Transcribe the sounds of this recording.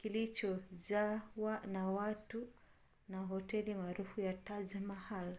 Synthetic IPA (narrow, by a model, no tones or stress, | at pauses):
kilit͡ʃɔzawanawatu | naɦɔtɛlimaːɾufujatazamahal